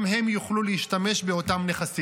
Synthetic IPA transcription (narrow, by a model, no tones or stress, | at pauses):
mɦe̞mjuχluleiʃtame̞ʃbeotamneχasi